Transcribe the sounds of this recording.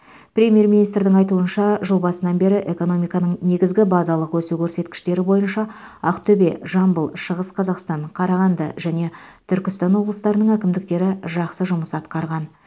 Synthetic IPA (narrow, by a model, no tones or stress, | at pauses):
prʲe̞mʲje̞rmʲinijst̪ɾd̪ɪŋɑjt̪uənʃɑʒəlˠbɑsənɑnbe̞ɾɪʔe̞ko̞no̞mijkɑnəɴne̞ɡʲɪzɡʲɪbɑzɑlˠəqwʰɵsukʲʰɵɾse̞t̪kʲɪ̥ʃt̪e̞ɾɪbo̞jənʃɑ | ɑqt̪ʰɵbe̞ʒɑmbəlˠʃəʁəsqʰɑzɑqst̪ɑɴqʰɑɾɑʁɑnd̪əʒæne̞t̪ʰʏɾkʲɪst̪ɑnwo̞blˠəst̪ɑɾənəɴŋækʲɪmd̪ɪk̚t̪e̞ɾɪʒɑqsəʒʊməsɑt̪qɑɾʁɑn